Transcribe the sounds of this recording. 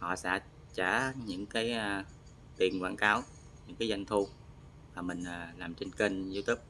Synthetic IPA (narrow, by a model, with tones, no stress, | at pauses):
hɔ̰˧˨sɛ̰˧˥ | t͡ɕaː˧˩ɲɨ̰˧˥ŋkaː˨˦ja˨˩ | t̪i˨˩ənkwaː˧˩nkaː˨˦w | ɲɨ̰˧˥ŋkaː˨˦jza˧jŋ̟t̪ʰu˧ | vaː˨˩mï˨˩ŋ̟ʔaː˨˩laː˨˩mt͡ɕe˧nke˧ŋzi˧wt̪ʰi˦˥p̚